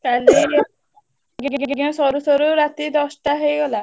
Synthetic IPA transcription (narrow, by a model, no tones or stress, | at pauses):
kali | ɡeɡeɡɡeɡiɔ̃sɔɾusɔɾuɾat̪id̪ɔsʈaɦejɡɔla